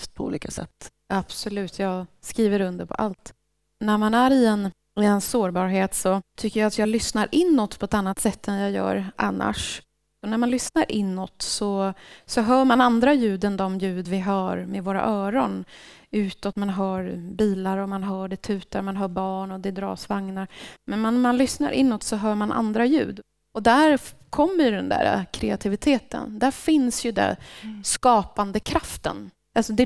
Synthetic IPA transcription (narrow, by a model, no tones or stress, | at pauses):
ft̪̚pʰɔṵːliːkʰasɛ̰t̪ː | ʔab̥sɔlʉ̟ːt̪ʰjɑːɡskɾiːvəɾɵnd̪əpʰɔ̰ʔa̰lt̪ | næɾmanæɾɪɛn | ɪɛnsoːɾbɑːɾɦeːt̪sɔt̪ʰʏkːəjaat̪jɑːlʏsnaɾʔɪnːɔt̪ːpʰɔɛt̪anːat̪sɛt̪ːɛnjɑːjœ̰ːɾʔanːa̰ʂ | ɔnæɾmanlʏsnaɾʔɪnːɔt̪ːsɔsɔɦœːɾmanand̪ɾajʉ̟ːd̪ənd̪ɔmjʉ̟ːd̪vɪɦɑːɾmevoːɾa̰ʔœːɾɔn | ʉ̟ːt̪ɔt̪manɦœːɾbiːlaɾɔmanɦœːɖɛt̪ʰʉ̟ːt̪aɾmanɦœːɾbɑːɳɔd̪ɛd̪ɾɑ̰ːsvaŋnaɾmɛnmanmanlʏsna̰ɾʔɪ̰nːɔt̪sɔɦœːɾmanʔa̰nd̪ɾajʉ̟ːd̪ | ɔd̪æɾkʰɔmːəɾjɵɖɛnd̪æ̰ɾa̰kʰɾɛat̪ʰɪvɪt̪ʰeːt̪ə̰nd̪æɾfɪnsjɵd̪ɛ̰skɑːpand̪əkʰɾaft̪ə̰n | alsɔd̪ɛ